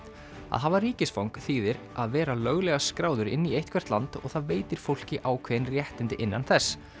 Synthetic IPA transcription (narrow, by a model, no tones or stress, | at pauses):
a̰ðɦaðvariːcɪsfawŋkθiːðɪɾ | aðvɛːɾalœɣlɛɣaskɾaːwðʏɾɪ̰nːiejht̪kvɛr̥t̪lant̪ɔ̰ɣθaðveːjt̪ɪɾ̥fowl̥cɪʔaːwkʰvɛnrjɛht̪ɪnt̪ɪʔɪnːanθɛsː